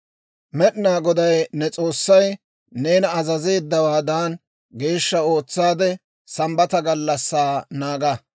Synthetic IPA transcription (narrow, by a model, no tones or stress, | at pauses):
mɛɗnaːɡɔd̪ɐjnɛt͡sʼo̞ːsːɐj | ne̞ːnɐzɐze̞ːd̪ːɐwaːd̪aːn | ɡe̞ːʃːɐo̞ːt͡sːaːd̪ɛ | sɐmbɐt̪ɐɡɐlːɐsːaːnaːɡɐ